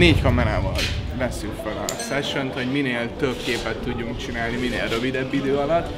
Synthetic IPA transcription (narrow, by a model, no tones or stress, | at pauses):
neːckɒmɛnaːvɒlvɛsːykfølɒ̰sɛʃønt̪ho̞ɟmineːlt̪ø̞bkeːpɛt̪ːuɟːuŋkt͡ʃinaːlniminḛːlrø̞vid̪ɛbːid̪øːɒlɒt̪ː